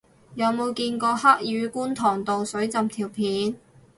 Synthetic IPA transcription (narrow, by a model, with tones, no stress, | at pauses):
jɐ˨˧wmo˨˧wkiː˧nkɔː˧ha˥k̚jyː˨˧kuː˥nt̪ʰɔː˨˩ŋt̪o˨wsɵ˨˥ɥt͡sɐ˨mt̪ʰiː˨˩wpʰiː˨˥n